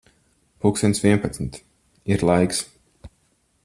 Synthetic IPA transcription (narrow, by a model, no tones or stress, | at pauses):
puːksint̪sviɛnpat̪smit̪ | iɾlˠajks